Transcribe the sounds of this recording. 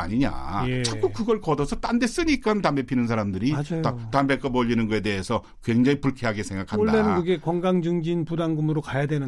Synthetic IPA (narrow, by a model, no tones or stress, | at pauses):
a̰ɲiɲa̰t͡ɕʰak͈ukɯɡʌɭkʌdʌsʰʌt͈andes͈ɯɲik͈anɯntambe̞pʰinɯnsʰaɾamdɯɾiad͡ʑajatambek͈ʌbʌʎːinɯnɡʌe̞de̞ɦesʰʌ | kweŋd͡ʑaŋipuɭkʰeɦaɡesʰeŋɡakʰanoɭdaːenɯnkɯɡe̞kwʌŋɡaŋd͡ʑɯŋd͡ʑinpudaŋɡumɯɾokajadwenɯ